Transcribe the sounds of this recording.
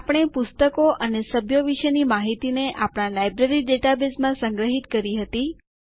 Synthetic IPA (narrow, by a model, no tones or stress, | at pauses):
apəɽ̃epʊst̪əkoʔənesəbʱjoʋiʃənimaɦit̪ineʔapɽ̃ãlajbɾeɾiɖeʈabesmãsə̃ŋɡɾəɦit̪kəɾiɦət̪i